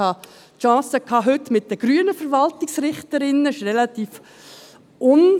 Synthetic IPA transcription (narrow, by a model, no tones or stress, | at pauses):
hɑ | ʃɑ̃ːsəkʰːɑːɦɵtmɪt̚dəɡ̥ɾyənəfəɾʋɑltɪksɾɪχtəɾɪnːəɪʃrɛlɑt̪iːf | ʊn